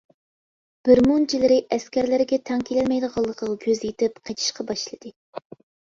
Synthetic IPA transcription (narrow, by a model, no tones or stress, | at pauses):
b̥ɪɾmunt͡ʃʰilɪɾɪʔɛskʲæɾlɪɾɪɡʲɛt̪ʰɛŋkʲʰelɪlmɛjd̪əʁɑlˠːəqʰɑʁɡʲøzjet̪ɪpqʰet͡ʃʰi̥ʃqʰɑbɑʃlˠɨd̪̥ɨ